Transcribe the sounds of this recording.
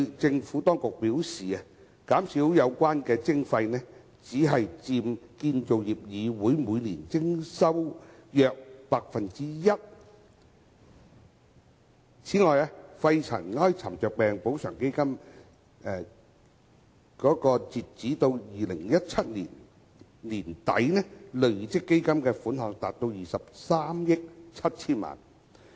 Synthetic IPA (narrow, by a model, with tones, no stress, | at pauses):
t͡sɪ˧ŋfuː˨˥t̪ɔː˥ŋkʊ˨k̚piː˨˥wsiː˨ɐ˨ | kaː˨˥msi˨˥wjɐ˨˧wkʷaː˥nkɛː˧t͡sɪ˥ŋfɐ˧jnɛː˥ | t͡siː˨˥ɦɐ˨jt͡siː˧mkiː˧nt͡ʃo˨wjiː˨˩p̚jiː˨˧wuː˨˥jmuː˨˧jniː˨˩nt͡sɪ˥ŋsɐ˥wjœː˧k̚paː˧k̚fɐ˨nt͡siː˥jɐ˥t̚ | t͡sʰiː˨˥ŋɔː˨ja˧fɐ˧jt͡sʰɐ̰˨˩nŋɔː˥jt͡sʰɐ˨˩mt͡ʃœː˨˩k̚pɛː˨ŋpo˨˥wsœː˨˩ŋke˥jkɐ˥m | ɛː˧ | kɔː˨˥kɔː˧t͡siː˨t̚t͡siː˨˥t̪o˧wjiː˨lɪ˨˩ŋjɐ˥t̚t͡sʰɐ˥t̚niː˨˩n | liː˨˩nt̪ɐ̰˨˥jnɛː˥lɵ˨ɥt͡sɪ˥kːe˥jkɐ˥mkɛː˧fuː˨˥nɦɔː˨˧ŋt̪aː˨t̚t̪o˧wjiː˨sɐ˨p̚saː˥mjɪ˥k̚t͡sʰɐ˥t̚t͡sʰiː˥nma̰ː˨˩n